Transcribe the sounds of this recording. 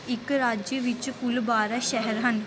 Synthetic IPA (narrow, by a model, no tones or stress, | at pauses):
ɪkɾaːd͡ʒjəʋɪt͡ʃkʊlbaːɾaʃɛɦəɾɦən